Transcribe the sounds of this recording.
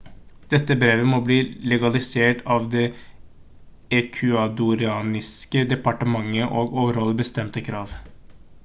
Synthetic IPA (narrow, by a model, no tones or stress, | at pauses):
d̪̥ɛt̪ːəbɾeːʋəmɔbliːlɛɡɑlɪseːʈɑːʋd̪ɛ | ɛkʰʉɑd̪ʊɾɪɑːnɪskəd̪ɛpɑʈəmɑŋːəʔoːɡoːʋəɾhɔləbəst̪ɛmt̪əkʰɾɑːʋ